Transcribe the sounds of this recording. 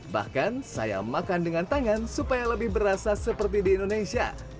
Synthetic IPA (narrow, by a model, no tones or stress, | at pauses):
ba̰hkansa̰ja̰makandəŋant̪aŋansupajaləbɪhbəɾasasəpərt̪̬idiːndonesia̰